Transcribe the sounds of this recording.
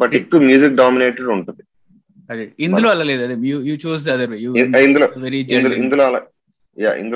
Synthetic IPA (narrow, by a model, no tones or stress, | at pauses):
bɐʈikːumjuːsik̚ɖaːmineːʈɐɖuɳʈund̪i | ɐd̪eind̪uloːɐlaːleːd̪uɐd̪ejuːjuːt͡ʃuːs̬d̪ɐɐd̪ɐɾʋeːjuːind̪uloːʋeɾid͡ʒɐd̪uind̪uloːɐla̰ː | ja̰ːʔḭnd̪u